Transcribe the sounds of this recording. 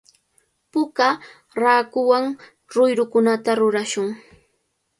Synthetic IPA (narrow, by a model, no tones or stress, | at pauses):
pʊka | ɾaːkʊwaŋ | ɾʊjɾʊkʊnat̪aɾʊɾaʃʊŋ